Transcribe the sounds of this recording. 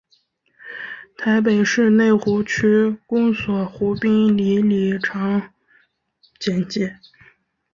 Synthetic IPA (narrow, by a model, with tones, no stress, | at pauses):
t̪ʰa˧˥ɪp̬e˨˩ɪʂɻ̩˥˧ne˥˩ɪxu˧˥t͡ɕʰy˥kʊ˥ŋswɔ˨˩˦xu˧˥pi˥ŋli˧˥li˨˩ʈ͡ʂʰɑ˧˥ŋ | t͡ɕjɛ˧˩nt͡ɕɛ˧˥˦